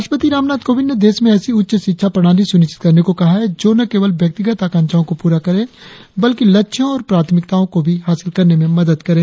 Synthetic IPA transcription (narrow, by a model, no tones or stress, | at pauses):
ɐʃpət̪iɾaːmnaːd̪̚koːʋɪnned̪eːsmẽɛːsiʊtːʃʃɪt̪ːʃʰapɾɐɽ̃aːlisʊnɪʃt͡ʃɪ̥t̪̚kɐɾnekokɐɦaɦɛd͡ʒoːnɐkeːʋəlʋjɐk̚t̪ɪɡət̪aːkãːnt͡ʃʰaõkopuːɾakɐɾẽː | bɐlkilɐtːʃʰõɔːɾpɾaːt̪ʰmɪk̚t̪aːõkobʱiɦaːsɪlkɐɾnemẽmɐd̪əd̪kɐɾẽː